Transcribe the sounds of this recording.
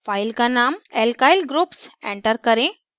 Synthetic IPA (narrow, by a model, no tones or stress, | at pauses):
fajlkanamelkajlɡɾuːpsḛ̃ɳʈəɾkəɾẽ